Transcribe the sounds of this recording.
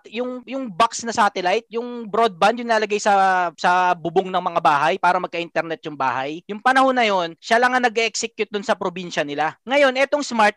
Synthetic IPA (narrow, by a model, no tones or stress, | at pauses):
jʊŋjʊŋbaksnɐsaːt̪ɛlajt̪̚jʊŋbɾod̪̚band̪jʊnlaːlɐɡajsɐsɐbʊboŋnɐŋmɐŋabaːɦɐjpaːɾɐmɐɡ̚kɐʔint̪ɛɾnɛt̪̚jʊŋbaːhɐjjʊŋpɐnɐhonːɐjo̞nʃalɐŋanɐɡɛʔɛksɛkjʊt̪̚d̪ʊnsɐpɾobinʃɐnɪlaŋɐjo̞nʔɛt̪o̞ŋsmaɹt̪̚